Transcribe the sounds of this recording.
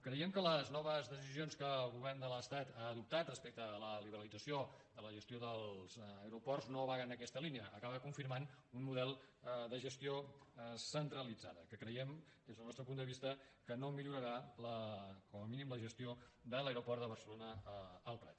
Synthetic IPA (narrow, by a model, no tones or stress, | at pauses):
kɾəiɛmkələznɔβəzðəsizionskəlˠɣuβɛrnd̪ələst̪at̪aðup̚t̪at̪rəspɛk̚t̪ələliβəɾəlid͡zəsiod̪ələʒəst̪ioðəlˠzəɾupɔrznoβaɣənəkɛst̪əliniəʔːkaβəkuɱfiɾmanunmuðɛlˠd̪əʒəst̪iosənt̪ɾəlid͡za̰ðəkəkɾəjɛmezðəlˠnɔst̪ɾəpund̪əβist̪əkənomiʎuɾəɾaləkɔməminimləʒəst̪iod̪ələeɾupɔrt̪d̪əβ̞ərsəlonəːlˠpɾɛ̰t̪